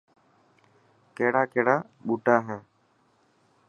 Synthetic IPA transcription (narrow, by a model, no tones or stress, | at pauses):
keːɽaːkeːɽaː | ɓuːʈaːɦɛ̃ː